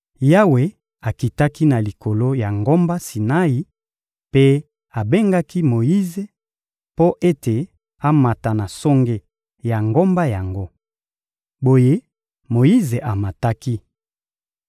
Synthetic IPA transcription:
ja˦we˨ | a˨ki˨ta˦ki˦na˨li˨ko˨lo˦ja˨ŋɡo˦mba˦si˨na˦ji˨ | pe˦ | a˨be˦ŋɡa˦ki˦mo˨ji˦ze˨ | po˦ʔe˦te˨ | a˦ma˨ta˨na˨so˦ŋɡe˦ | ja˨ŋɡo˦mba˦ja˨ŋɡo˦ | bo˦je˦ | mo˨ji˦ze˨ʔa˨ma˨ta˦ki˦

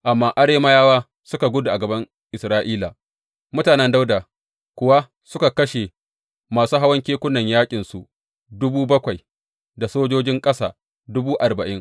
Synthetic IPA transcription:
ʔa˨mːaː˦ʔa˦ɽeː˦mɐ˦jaː˦waː˦ | sʊ˦ka˨ɡʷʊ˦du˨ʔa˨ɡɐ˨bɐ˦ŋ | ʔɪ˨sɾaː˦ʔiː˦la̰˨ | mʊ˦taː˨nɛ˦nda˦wdaː˨ | kʷʊ˨wa˦ | sʊ˦ka˨kɐ˦ʃe˨ | maː˨suː˦ɦa˦wɐ˦ŋkʲeː˦kʷʊ˦nːɐ˨ɲjaː˦kʲʼɪ˨nsu˨ʔ | dʊ˦buː˦bɐ˦kʷa˨j | da˨soː˦d͡ʒoː˦d͡ʒɪ˦ŋkʼɐ˦sa̰ː˨ | dʊ˦buː˦ʔa˨rbɐ˨ʔɪ˦ŋ

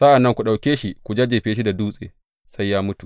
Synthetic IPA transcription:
sa˦ʔa˨nːɐ˦ŋkʷu˨ɗa˨wkʲeː˦ʃi˦kʷu˨d͡ʒaː˦d͡ʒeː˨ɸeː˦ʃi˦da˨duː˦sʼḛː˨ | sa˦jːaː˦mʊ˦tu˨

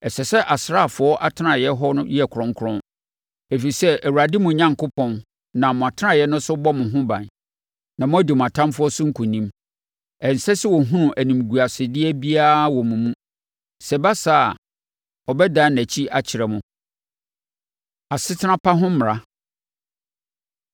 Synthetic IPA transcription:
ɛ˨sɛ˨sɛ˦ʔa˨sɾa˦˨fʊ˨˦ɔ˦ʔa˦tʰɪ˦nã˨jɛ˦ɦɔ˦nʊ̃˦jɛ˨kʰɾɔ̃˦ŋ˦kʰʊ˦ɾɔ̃˦n | ɛ˨fi˨i˨sɛ˦æ˨wu˨ɾa˨dɪ˦mʊ̃˨ɲã˦ŋkʊ˦pʰɔ̃˨n | nã˨mʊ̃˨a˨tʰnã˦˨jɛ˦nʊ̃˦sʊ˦bɔ˦mʊ̃˨ɦʊ̃˦bã̰˨n | nã˨mʊ̃˦æ˦di˨mʊ̃˨a˨tʰã˦mfʊ˦ɔ˦sʊ̃˦ŋ̩˦kʰũ˨nĩ˦m | ɛ˨n˨sɛ˦sɪ˦wɔ˨ɦũ˦nũ˨ʔæ˨nĩ˨m˨ɡu˨a˨sɪ˨dɪ˦ɛ˦bi˦a˦˨wɔ˨mũ˨mũ˦ | sɛ˨ba˦sa˦˨a˨ | ɔ˨bɛ˦dã˦næ˨t͡ɕʰi˦a˨t͡ɕʰɪ˨ɾɛ˨mʊ̃˦ | a˨sɪ˦tʰɪ˦nã˦pʰa˦ɦʊ̃˦m̩˦m˨ɾa˦

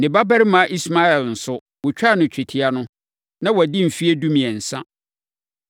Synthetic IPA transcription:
nɪ̃˨ba˦bɛ˦ɾɪ˦mã˨˦ʔi˦sma˦ɛ˨ln̩˨sʊ˦ | wʊ˨t͡ɕᶣa˦˨nʊ̃˨t͡ɕʰᶣi˨tʰɪ˨a˨nʊ̃˦ | nã˦wɔ˨dĩ˦m̩˨fi˦e˦du˦mĩ˨ɛ˨n̩˨sã˦

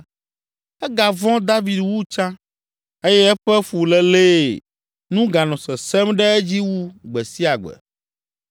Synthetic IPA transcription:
ɛ˦ɡa˨vɔ̃˦d̪a˦vi˨d̪wu˦t͡ʃã˦ | e˦jɛ˦ɛ˦ɸɛ˦fu˨lɛ˦le˦ | nũ˦ɡa˨nɔ̃˨sɛ˨sɛ˦mɖɛ˦ɛ˦d͡ʑi˦wu˦ɡ͡bɛ˨si˦a˨ɡ͡bɛ̰˨

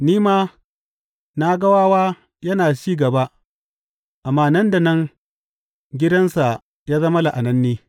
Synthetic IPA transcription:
niː˦maː˦ | na˦ɡɐ˦waː˦waː˦ | jɐ˦naː˨t͡ʃiː˦ɡɐ˨ba˦ | ʔa˨mːaː˦nɐ˦nda˨nɐ˦ŋ | ɡʲɪ˦dɐ˦nsa˨ | jaː˦zɐ˦mɐ˦la˨ʔa˨nɐ˦nːiː˦

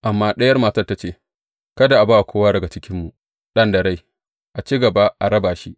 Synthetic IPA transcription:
ʔa˨mːaː˦ɗɐ˦jɐ˦rmaː˨tɐ˦rta˨˦t͡ʃeː˦˨ | kɐ˦da˨ʔa˨baː˦ʔa˨kʷoː˦waː˦dɐ˨ɡa˨t͡ʃɪ˦kʲɪ˦mːu˨ | ɗɐ˦ndɐ˨ɾa˦j | ʔa˨t͡ʃiː˦ɡɐ˨ba˦ʔa˨ɾɐ˦baː˨ʃi˦ʔ

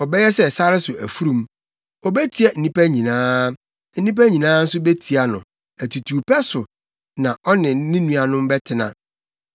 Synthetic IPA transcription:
ɔ˨bɛ˦jɛ˦sɛ˦sa˦ɾɪ˦sʊ˨ʔæ̰˨fu˦ɾũ˨m | ɔ˨bɛ˦tʰi˨ɛ˦˨n̩˨nĩ˦pæ˦ɲĩ˨nãː˦ | n̩˦nĩ˦p̬æ˦ɲĩ˨nãː˦n̩˦sʊ˦be˦tʰi˨a˨nʊ̰̃˨ | æ˨tʰu˨tʰuː˨pʰɛ˦sʊ˨ | nã˨ʔɔ˦nɪ̃˨nɪ̃˦nũ˦a˨nʊ̃˦m˦bɛ˦tʰɪ˨nã̰˨

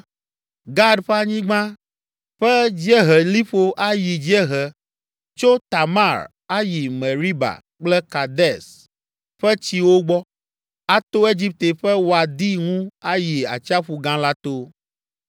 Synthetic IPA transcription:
ɡa˦ɖɸɛ˦a˦ɲĩ˦ɡ͡bã˦ | ɸɛ˦d͡ʑi˦ɛ˦ɦɛ˨li˦ɸo˦ʔa˦ji˨d͡ʒi˦ɛ˦ɦɛ˨ | t͡ʃo˦t̪a˨ma˦˨ɾ | a˦ji˨mɛ̃˨ɾi˦ba̰˨ | k͡plɛ˦ka˨d̪ɛ˦˨s | ɸɛ˦t͡ɕi˨wo˦ɡ͡bɔ˦ | a˦t̪o˦e˦d͡ʑi˦p̚t̪e˨ɸɛ˦wo˨a˨d̪i˦ŋũ˦a˦ji˨a̰˨t͡ʃi˦a˦ɸu˨ɡã˦la˦t̪o˦

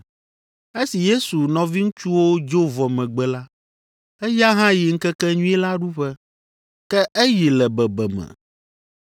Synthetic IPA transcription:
e˦si˨je˦su˨nɔ̃˨vi˦ŋũ˦t͡ʃu˦wo˦d͡ʒo˦vɔ˨mɛ̃˨ɡ͡bɛ˨la˦ | ɛ˦ja˦ɦã˦ji˨ŋ̩˦kɛ˦kɛ˦ɲũ˦ɛ˦la˦ɖu˦ɸɛ˦ | kɛ˦ʔɛ˦ji˨lɛ˨bɛ˨bɛ˨mɛ̰̃˨

